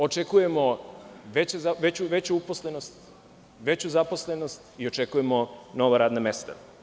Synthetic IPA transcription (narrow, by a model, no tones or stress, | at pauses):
o̞t͡ʃe̞kujemo̞ʋet͡ɕezaʋet͡ɕuʋe̞t͡ɕuuposle̞no̞st̪ | ʋe̞t͡ɕuzapo̞sleno̞st̪io̞t͡ʃekuje̞mo̞no̞ʋaɾaːd̪name̞st̪a̰